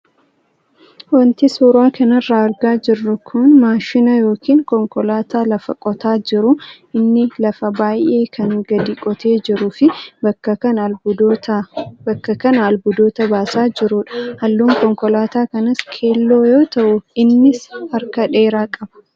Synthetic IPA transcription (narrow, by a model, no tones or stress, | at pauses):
wɐnt̪ɪsuːɾaːkʰɐnɐrːaːɐɾɡaːd͡ʒɪrːʊkʰʊnmaːʃɪnɐjo̞ːkʰiːŋkɔŋkɔlaːt̪aːlɐfɐkʼɔt̪aːd͡ʒɪɾʊʔɪnːɪlɐfɐbaːjʔe̞ːkʰɐŋɡɐd̪ikʼɔt̪e̞ːd͡ʒɪɾʊfɪbɐkːɐɐn | ɐkːɐkɐnɐɐlbʊd̪o̞ːt̪ɐbaːsaːd͡ʒɪɾʊᶑɐ̥hɐlːuːŋkɔŋkɔlaːt̪aːkɐnɐskʰe̞ːlːo̞ːjo̞ːt̪ɐʔʊɪnːɪshɐɾkɐᶑe̞ːɾaːkʼɐb̥ɐ̥